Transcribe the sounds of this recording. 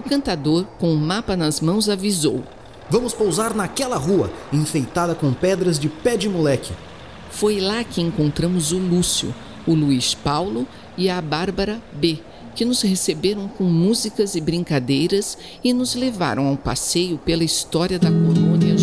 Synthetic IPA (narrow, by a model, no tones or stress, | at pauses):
ʊkɐ̃nt̪ad̪oɾkõʊmapɐnɐzmɐ̃w̃zavizo̰w | vɐ̃mʊspowzaɾnɐkɛlɐɦuɐ̰ẽfejt̪ad̪ɐkõpɛd̪ɾɐzd͡ʒɪpɛd͡ʒɪmulɛkɪ | fojlakɪẽŋkõnt̪ɾɐ̃mʊzʊlusjʊ̰ | ʊluiʃpawlʊ | iɐbaɾbɐɾɐbe | kɪnʊzhesebeɾɐ̃w̃kõmuzikɐzɪbɾĩkad̪ejɾɐs | ɪnʊzleva̰ɾʔɐ̃w̃awpa̰sejʊpelɐist̪ɔɾiɐd̪ɐkolõniɐ